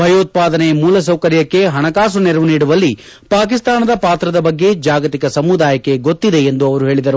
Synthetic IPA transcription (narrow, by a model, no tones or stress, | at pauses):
bʱɐjoːt̪̚paːd̪ɐnejɐmuːlɐs̬ɐwkɐɾjɐkːe̞ɦɐɳɐkaːs̬unɛɾɐʋuniːɽuʋɐlːi | paːk̬ist̪aːnɐd̪ɐpaːt̪ɾɐd̪ɐbɐɡːe̞d͡ʒaːɡɐt̪ikɐsɐmud̪aːjɐkːe̞ɡo̞t̪ːid̪e̞ːnd̪uɐʋɐɾuɦeːɭid̪ɐɾu